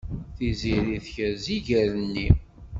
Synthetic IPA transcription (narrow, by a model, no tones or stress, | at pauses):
θiziɾiθçəziʝəɾənːi